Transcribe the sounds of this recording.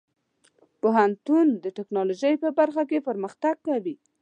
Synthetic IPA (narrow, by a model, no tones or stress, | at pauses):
poɦant̪und̪əʈɪknɑloʒəjpəbaɾxak̬epəɾməxt̪aɡ̚kawi